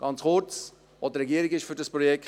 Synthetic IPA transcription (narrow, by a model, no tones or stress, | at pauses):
ɡ̥ɑnt͡sχʊɾt͡s | vodəɾɛɡiːəɾɪɡɪʃfyɾdɑspɾojɛk